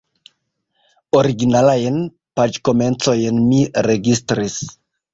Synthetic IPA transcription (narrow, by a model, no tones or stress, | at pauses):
o̞ɾiɡinalajn | pad͡ʒko̞me̞nt͡so̞jnmiɾe̞ɡistɾis